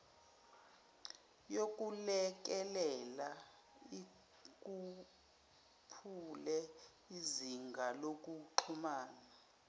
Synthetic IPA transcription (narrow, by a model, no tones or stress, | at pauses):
jok̬ʼulɛk̬ɛlɛla | i | k̬ʼu | pʰulɛ | iziŋɡʱalok̬ʼuǃʰumaːna